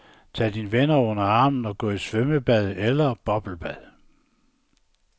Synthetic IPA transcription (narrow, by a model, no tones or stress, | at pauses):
t͡sʰɛ̰d̥inʋenɐɔ̽n̰ɐɑ̈ːmn̩ɒ̽ɡ̥ɔ̰̽ːisʋøməb̥æð̞ˠelɐb̥ɒ̽b̥l̩b̥æð̰ˠ